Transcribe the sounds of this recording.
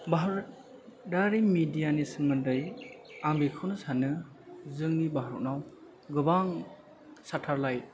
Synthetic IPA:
baɦɾ | daɾimidijanisɯŋmɯndɯjaŋbikʰɯwnɯsanɯ | zɯŋnibaɦaɾɔ̰k̚naw | ɡɯbaŋ | satʰaɾlaj

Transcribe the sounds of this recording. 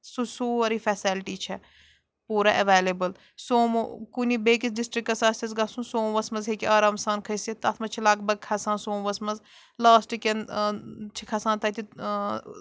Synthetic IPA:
susuːɐɾiːfʰɛːselʈiːt͡ʃʰɛ | puːɾaʔɐʋeːleːbəl | soːmokunibeːkisɖɪsʈɾikːɐsaːst̪ɐzɡɐsũːsoːmʋɐsmɐzɦekiaːɾaːmsaːnkʰɐiset̪ɐt̪ʰmɐt͡ʃʰilɐɡ̚bɐɡ̚kʰɐsãːnsoːmʋɐsmɐz | laːsʈiken | t͡ʃʰikʰɐsaːnt̪ɐt̪ʰi

